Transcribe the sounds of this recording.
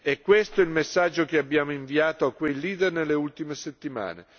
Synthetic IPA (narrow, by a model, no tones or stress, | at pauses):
ɛkːwest̪oilmesːad͡ʒːok̟eabːjaːmoiɱviaːt̪oakːwejliːd̪ernelːeult̪imeset̪ːima̰ːnḛ